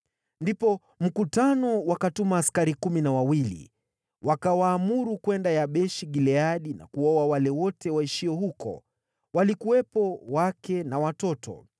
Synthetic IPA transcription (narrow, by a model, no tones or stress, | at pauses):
ndipɔ | m̩kutanɔwakatumaːskaɾikuminawawilḭ | wʔakawaːmuɾukwɛndajaɓɛʃiɠilɛaɗina̰kuɔwawalɛwɔtɛwaiʃiɔhukɔ̰ | walikuwɛpɔwakɛnawatɔtʰɔ̰